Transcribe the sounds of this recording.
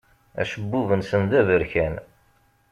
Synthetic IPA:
æ̰ʃəbːuvənsənðævəɾçæn

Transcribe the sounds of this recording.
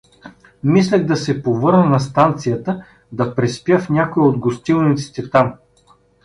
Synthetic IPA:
mislʲɛɣd̪ɐsɛpovɤɾnənɐst̪ant̪sijət̪ə | d̪ɐpɾɛspjəfnʲakoiod̪ɡost̪ilˠnit̪si̥t̪ɛt̪am

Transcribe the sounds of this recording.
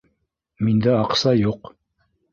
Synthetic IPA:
mind̪æɑqsɑjuq

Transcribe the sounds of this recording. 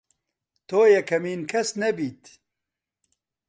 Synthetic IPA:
t̪ʰoːjɛkʰɐmiːnkʰɐsnɛbiːt̪

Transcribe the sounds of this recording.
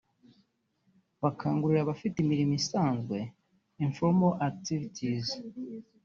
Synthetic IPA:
βakʰaːŋɡuɾiɾaβafitimiɾimisaːnzɡwe̞ | iɱfoɾmaʔak̚tivitʰiz

